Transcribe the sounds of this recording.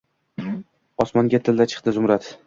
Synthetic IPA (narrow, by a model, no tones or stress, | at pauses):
ɒsmɒŋɡʲat̪ʰɪld̪at͡ʃʰɨ̥qt̪ɪzʊmɾat̪